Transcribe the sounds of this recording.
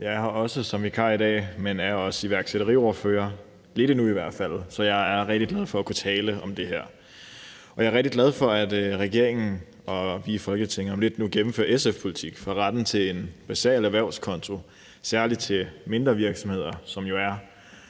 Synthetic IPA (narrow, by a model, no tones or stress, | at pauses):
jɑ̈ɪhɑ̈ɒ̽səsɒ̽mʋikʰɑ̰̈ːid̥ɛ̰ːmenæɐɒ̽səiʋæɐɡ̥seɾ̥ɐʁḭːɒɐføːɐ | le̝ɾ̥ənuiʋæɐ̰d̥fæl̰sɒ̽jɑ̈ɪæɐʁɛɡ̥d̥iɡ̥læð̞ˠfɒ̽ækʰut͡sʰɛːləɒ̽md̥e̝ɦæɐ̰ | ʔɒjɑ̈ɪɐʁɛɡ̥̚d̥iɡlæð̞ˠfɒ̽æd̥ʁɛɡ̥e̝ɐ̰eŋn̩ | ɒ̽ʋifɒ̽lɡ̥ət͡sʰeŋ̰ɐɒ̽mle̝d̥nuɡ̥emm̩fø̰ɐesefpʰo̝lit͡sʰiɡ̥fɑ̈ʁɑd̥n̩t͡sʰe̝le̝nb̥æsɛ̰ːlæɐʋæɐʊskʰɒ̽nt͡sʰo̝ | sæɐli̥t͡sʰe̝me̝nd̥ʁɐʋiɐɡ̥sɒ̽mhe̝ð̞̰ˠɐsɒ̽mjo̝æɐ